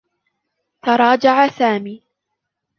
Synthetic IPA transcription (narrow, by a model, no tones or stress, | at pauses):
t̪ɑɾˤɑːd͡ʒaʕasaːmiː